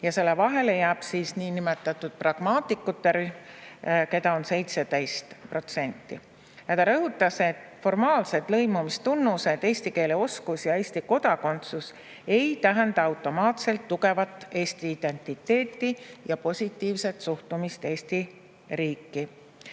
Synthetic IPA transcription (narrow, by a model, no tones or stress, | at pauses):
jɑse̞lːe̞vɑɦe̞le̞jæːb̥siːsniːnimet̪ːˑɑt̪ːˑud̪̥prɑɡ̥mɑːt̪ːˑikːˑut̪ːe̞ɾyhmke̞t̪ɑo̞nse̞jt̪se̞d̪̥e̞jst̪pro̞t̪se̞nt̪ːˑḭ | jɑt̪ɑɾɤɦut̪ˑːɑse̞t̪ːˑfo̞rmɑːlse̞d̪̥lɤ̞jmumist̪unːuse̞d̪̥e̞ːsʲt̪ike̞ːleo̞skusjɑe̞ːsʲt̪iko̞d̪ɑko̞nt̪sus | e̞jt̪æɦænd̪ɑɑwt̪ːˑo̞mɑːt̪se̞lt̪ːuɡe̞vɑt̪ːˑe̞ːst̪iːd̪̥e̞nʲt̪ːˑit̪ːe̞ːt̪ːˑijɑpo̞sʲit̪ːiːvse̞t̪suht̪umist̪e̞ːst̪i | riːkːi